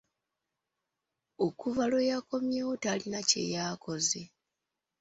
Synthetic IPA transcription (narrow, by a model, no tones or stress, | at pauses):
okuvalo̞jako̞mjewotalinace̞̰jaːko̞ze̞